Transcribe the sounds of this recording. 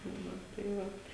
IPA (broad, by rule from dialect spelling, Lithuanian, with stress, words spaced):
ˈnʊ tɐɪ ˈʋɐt